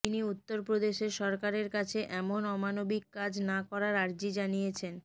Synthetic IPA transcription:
t̪iniut̪ːoɾpɾod̪eʃeɾʃɔɾkaɾeɾkat͡ɕʰeʔɛmonɔmanobikːad͡ʑnakɔɾaɾaɾd͡ʑid͡ʑanijet͡ɕʰen

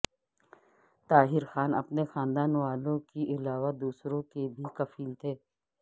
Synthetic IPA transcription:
t̪aːɦɪɾxaːnɐ̰pnexaːnd̪aːnʋaːlõkiʔɪlaːʋad̪uːsɾõkebʱikɐfiːlt̪ʰeː

